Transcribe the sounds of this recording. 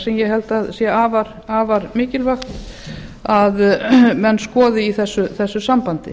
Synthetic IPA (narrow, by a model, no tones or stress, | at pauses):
sɛmjɛɦɛlt̪aðsjɛaːvaɾ̥ | aːvaɾmɪːcɪlvaxt̪ | aðmɛnːskɔːðɪiθɛsːʏθɛsːʏsampant̪ɪ̰